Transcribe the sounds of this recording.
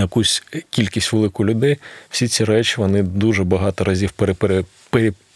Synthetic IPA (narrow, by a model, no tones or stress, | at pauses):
jɐkusʲkʲilʲkʲisʲtʲʋelˠɪkʊlʲʊd̪ɛjw̥sʲit͡sʲiɾɛt͡ʃiʋɔnɪd̪uʒɛbɐɦɑt̪ɔɾɐzʲiwpeɾpɾe | peɾʲi